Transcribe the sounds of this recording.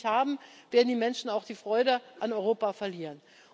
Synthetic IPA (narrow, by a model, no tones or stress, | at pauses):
haːbm̩v̥eːɐdn̩diːmɛnʃn̩aʊxd̥iːfʁ̥ɔʏɾəʔanɔʏʁoːpafɛɐliːʁən